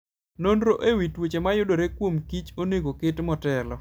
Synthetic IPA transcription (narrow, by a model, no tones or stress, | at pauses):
nondɾoʔewitwot͡ʃemajʊdoɾekwomkit͡ʃoneɡokɪtmɔtɛlɔ